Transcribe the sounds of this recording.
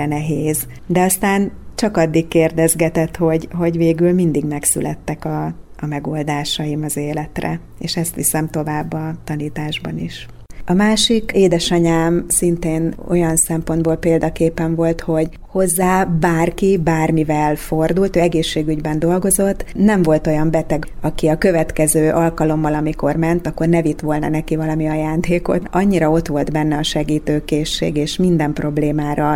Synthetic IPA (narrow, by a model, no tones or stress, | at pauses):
ɛnɛɦeːz | d̪ɛɒst̪aːnt͡ʃɒkɒd̪ːikkːeːrd̪ɛzɡɛt̪ɛt̪ho̞ɟɦo̞ɟveːɡylmind̪iɡmɛksy̰lʔɛ̰t̪ːɛkɒː | mɛɡo̞ːld̪aːʃɒjimɒzeːlɛt̪rɛ̰ | eːʃɛst̪ʋisɛmt̪o̞vaːbːɒt̪ɒniːt̪aːʒbɒniʃ | ɒmaːʃikeːd̪ɛʃɒɲaːmsint̪eːno̞̰jɒnsɛmpo̞nd̪boːlpeːld̪ɒkeːpɛɱvo̞lt̪ho̞ɟ | ho̞zːaːbaːrkibaːrmivɛlfo̞rd̪ult̪øːɛɡeːʃːeːɡyɟbɛnd̪o̞lɡo̞zo̞t̪ːnɛɱvo̞lt̪o̞jɒmbɛt̪ɛɡɒkiɒkøvɛt̪kɛzøːʔɒlkɒlo̞mːɒlɒmiko̞rmɛnt̪ɒkːo̞rnɛvit̪ʋo̞lnɒ̰nɛkivɒlɒmiɒjaːnd̪eːko̞̰t̪ɒɲːiɾɒo̞t̪ʋo̞ld̪bɛnːɛɒʃɛɡiːt̪øːkeːʃːḛːɡeːʃmind̪ɛmpro̞bleːmaːɾɒ